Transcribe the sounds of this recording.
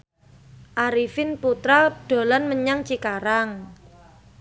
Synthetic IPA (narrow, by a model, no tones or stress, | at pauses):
ʔaɾifɪnput̪ɾaɖ̥o̤lanməɲaŋt͡ʃikaɾaŋ